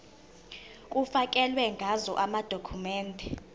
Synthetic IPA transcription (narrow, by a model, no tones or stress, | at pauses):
kʼufak̬ʼɛlwɛŋɡʱazɔʔamad̥ʱokʰumɛːndʱɛ